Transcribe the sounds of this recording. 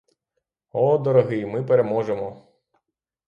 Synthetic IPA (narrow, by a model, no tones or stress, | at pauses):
ɔd̪ɔɾɔɦɪjmɪpeɾemɔʒemɔ